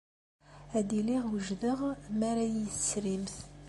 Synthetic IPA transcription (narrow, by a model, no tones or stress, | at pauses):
æd̪iliʁwəʒðəʁmæɾæjisɾimθ